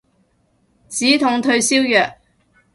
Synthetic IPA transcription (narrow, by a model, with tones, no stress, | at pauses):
t͡siː˨˥t̪ʰʊ˨˥ŋt̪ʰɵ˧ɥsiː˥wjœː˨k̚